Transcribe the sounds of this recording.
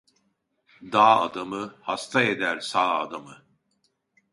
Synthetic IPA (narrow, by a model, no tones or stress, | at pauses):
d̪aːa̰d̪amɯhast̪ʰaed̪æɾsaːa̰d̪amɯ